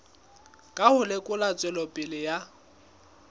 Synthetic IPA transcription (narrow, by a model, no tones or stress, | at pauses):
kʼahʊlɪkʼʊlat͡sʼɛlɔpʼɪlɪja